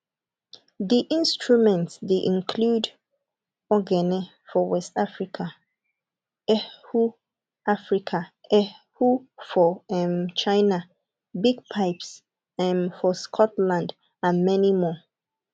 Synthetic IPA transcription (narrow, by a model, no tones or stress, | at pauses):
ðiʔĩnstɹumɛ̃ntsdeʔĩnkʰlud | ɔɡɛnɛ | fɔwɛstafɹikʰa | ɛhu | afɹikʰaɛhufɔɛmt͡ʃʰãɪna | biɡ̚pʰaɪps | ɛmfɔskʰɔtlãnd | ãnmɛnimɔ